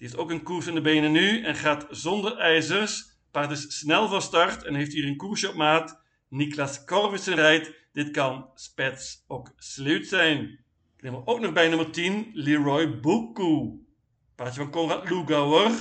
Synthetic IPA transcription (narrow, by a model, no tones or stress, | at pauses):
d̥iɪstowkənkuɹsɪndəbeːnənːyɛnχaːtz̥ɔndəɹɛjzərs | paːɹtɪsːnɛlˠvɑstɑɹtɛnɦejftɦiːrənkuɹsjəɔp̚maːt | niklaskɔrvɪsənrɛjt | d̥ɪtkɑnspɛtsowkslewtsɛjn | knemʋəʔowknɔχbɛjnɵməɹtinliɹɔjbukːu | paːtjəvɑnkɔŋratluɡawər